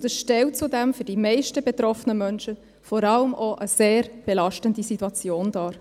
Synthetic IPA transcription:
dəsʃtɛlt̚t͡sudæmfʏdimɛɪʃtəbet̪ɾɔfənəmœnʃə | fɔɾɑləmʔoʔəseːɾb̥elɑʃtəndisitːuɑt͡sjoːndɑːɾ

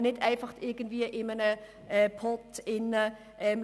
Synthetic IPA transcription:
nɪtʰæɪnfɑχtɪɐɡəntv̥iːəʔɪmənə | ʔɛpʰɔtɪnə | ʔɛm

